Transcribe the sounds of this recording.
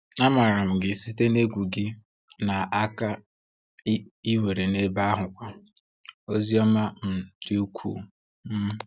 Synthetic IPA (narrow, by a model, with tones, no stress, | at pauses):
a˦ma˨ɾa˨m̩˨ɡɪ˨si˦te˦ne˦ɡʷu˨ɡɪ˦ | na˨a˦ka˦ | i˦we˨ɾe˨ne˦ba˦ɦʊ˨kʷa˦ | o˦zi˦ɔ˦ma˦m̩˨d̥ɪ˦u˦kʷʰṵː˨ | m̩˦